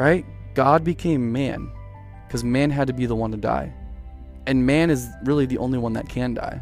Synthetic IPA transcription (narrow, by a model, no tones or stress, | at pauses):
ɹaɪt̚ | ɡ̥ɑd̚bɨkʰẽɪ̃mːæ̰̃n | kʰʌzmæ̃nɦɨd̚tɨbiðəwʌ̃ntɨda̰ɪ | ɨ̃nmæ̃nɨzɹɪlˠiðiʔõ̰ʊ̃nliwʌ̃nðɨ̰t̚kʰɨ̃nda̰ɪ